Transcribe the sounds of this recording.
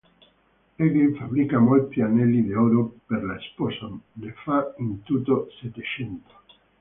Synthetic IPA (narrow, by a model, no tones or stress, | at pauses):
eɡiɱfaβɾikamolt̪ianelid̪eoɾopeɾlaesposonefaint̪ut̪oset̪et͡ʃent̪o̥